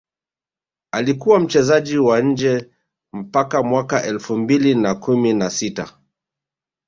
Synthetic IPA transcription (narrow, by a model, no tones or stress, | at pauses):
alikuwam̩t͡ʃɛzaʄiwaɲ̩d͡ʒɛ | m̩pakamwakaʔɛlfumbilinakuminasita